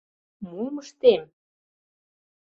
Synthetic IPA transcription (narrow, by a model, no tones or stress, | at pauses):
muməʃt̪em